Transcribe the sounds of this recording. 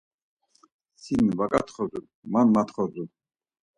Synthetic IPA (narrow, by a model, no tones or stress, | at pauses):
sinvakʼat̪ʰχɔzu | manmat̪χɔzu